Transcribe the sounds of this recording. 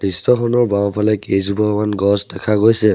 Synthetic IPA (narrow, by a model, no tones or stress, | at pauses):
distɔxʰɔnɔɹbawpʰalɛkezubɔɹmanɡɔsdɛkʰaɡojsɛ